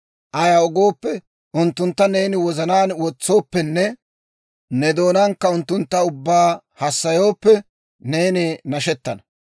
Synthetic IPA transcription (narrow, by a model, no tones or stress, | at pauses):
ʔɐjaɔɡo̞ːpːɛ | ʔʊnt̪ːʊnt̪ːɐne̞ːnɪwɔzɐnaːnwɔt͡sːo̞ːpːɛnːɛ | nɛd̪o̞ːnɐŋkːɐʊnt̪ːʊnt̪ːɐʊbːaː | hɐsːɐjo̞ːpːɛ | ne̞ːnɪnɐʃɛt̪ːɐnɐ